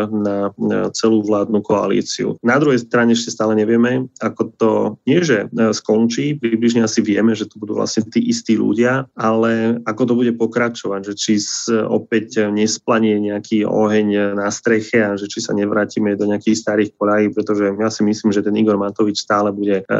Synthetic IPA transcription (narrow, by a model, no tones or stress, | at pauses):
nat͡sɛluːʋlaːd̪nukɔa̰lḭːt͡sḭṵnad̪ɾuɦɛjst̪ɾaɲɛɛʃcɛst̪aːlɛɲɛʋɪɛmɛakɔt̪ɔɲɪɛʒɛskɔnt͡ʃiːpɾibliʒɲɛasiʋɪɛmɛʒɛt̪ɔbud̪uːʋlʔa̰sɲɛt̪iːʔist̪iːlṵɟɪaalɛakɔt̪ɔbuɟɛpɔkɾat͡ʃɔʋaɟʒɛt͡ʃisɔ̰pɛcɲɛsplaɲɛɲɛakʰiːɔ̰ɦɛɲnast̪ɾɛxɛaʒɛt͡ʃisa̰ɲɛʋɾaːcimɛd̪ɔɲɛakixst̪aɾiːxkɔʎaɦiːpɾɛt̪ɔʒɛjaːsimisliːmʒɛt̪ɛniɡɔɾmat̪ɔʋit͡ʃst̪aːlɛbuɟɛ